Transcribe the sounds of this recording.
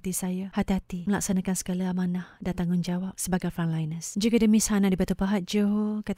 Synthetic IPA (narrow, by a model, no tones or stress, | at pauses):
t̪isajahat̪ihat̪iməlak̚sanakansə̥kalaamanahdat̪aŋʊnd͡ʒawap̚səbaɡajfanlajnəsd͡ʒukadəmishanadibat̪upaɦat̪̚d͡ʒoɦokat̪